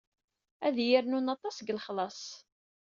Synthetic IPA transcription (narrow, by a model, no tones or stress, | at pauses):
æðjɪɾnunɑt̪ˤɑsɡəlχlɑsˤ